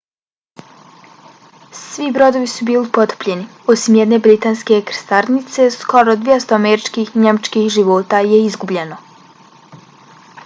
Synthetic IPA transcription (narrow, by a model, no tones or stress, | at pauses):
sʋibɾo̞d̪o̞ʋisubiːlipo̞t̪ə̥pʎe̞ni | osimjed̪ne̞bɾit̪aːnske̞kɾst̪aɾnit̪se̞sko̞ɾod̪ʋʲjest̪oameɾit͡ʃkiːxiɲemat͡ʃkixʒiʋo̞ːt̪aje̞izɡubʎe̞no̞